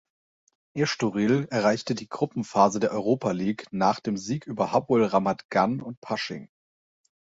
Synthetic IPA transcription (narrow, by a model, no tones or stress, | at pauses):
ʔeɐʃtuʁiːlɛɐʁ̞aɪçtədiːɡʁʊpm̩faːzədeːɐʔɔʏʁ̞oːpaliːknaːχd̥eːmziːkʔyːbɐhabʊlʁamatɡ̥anʊnt̚pʰaʃɪ̰ŋ